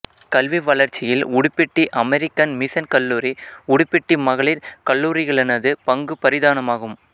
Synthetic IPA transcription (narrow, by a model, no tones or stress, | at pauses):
kɐlʋiʋɐlɐɾt͡ʃːɪjɪlʊɽʊpːɪʈːiʔɐmɛɾɪkːɐnmɪsɐnkɐlːuːɾiʊɽʊpːɪʈːimɐɣɐɭɪɾkɐlːuːɾɪɣɐɭɛnɐðɯpɐŋɡɯpɐɾɪðaːnɐmaːɣɯm